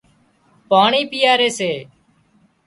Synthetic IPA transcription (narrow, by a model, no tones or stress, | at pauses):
paːɳiːpɪjaːɾeːseː